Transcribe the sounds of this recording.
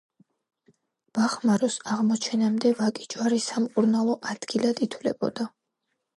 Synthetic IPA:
b̥aχmaɾɔsaʁmɔt͡ʃʰɛnamd̪ɛvakʼid͡ʒwaɾisamkʼuɾnalˠɔʔad̪̥ɡ̥ilˠad̪it̪ʰwvlɛ̰bɔ̰d̪̥a

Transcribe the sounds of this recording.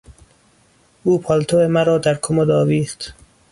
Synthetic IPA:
uːpʰɒlt̪ʰoemæɾɒːd̪æɾkʰomod̪ɒːviːχt̪

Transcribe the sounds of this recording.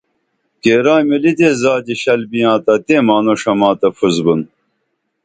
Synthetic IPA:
keːɾaːjmilid̪eːzaːd͡ʑiɕɐlbijãːt̪ɐt̪eːmaːnoʂɐmaːt̪ɐfuzbun

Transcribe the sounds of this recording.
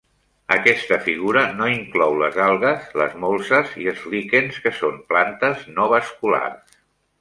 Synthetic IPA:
əkɛst̪əfiɣ̞uɾənoiŋklɔwlə̰zalˠɣəzlə̰zmolˠsəziəlˠzlikenskəsomplant̪əznɔβəskula̰rs

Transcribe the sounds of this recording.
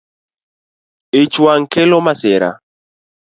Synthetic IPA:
et͡ʃwaŋ̩kelomasɛɾa̰

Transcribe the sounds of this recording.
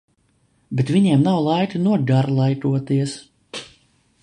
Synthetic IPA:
bet̪vʲiɲiɛmnawlˠajt̪ɨnuɔɡaɾlˠajt̪uɔt̪iɛs

